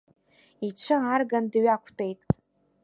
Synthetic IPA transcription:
iʈ͡ʂʷʰɨarɡandɥakʷʰtʰʼejtʼ

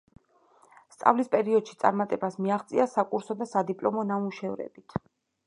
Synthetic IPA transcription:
st̪sʼa̰vlispʼɛɾiɔd̪̥ʃi̥t̪sʼa̰ɾmat̪ʼɛbasmiaχt̪sʼiasakʼuɾsɔd̪asad̪ipʼlˠɔmɔnamuʃɛvɾɛ̰bit̪ʰ

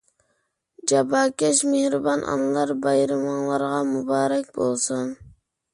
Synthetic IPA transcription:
d͡ʒɑbɑːkʲɛʃmehɾɨbɑnʔɑ̰nɨlˠɑɾbɑjɾɨmɑnlˠɑɾʁɑmubɑːɾɛkʲbolˠsun

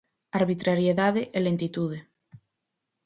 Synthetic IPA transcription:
aɾβit̪ɾaɾjeðaðeʔelent̪it̪uð̞e

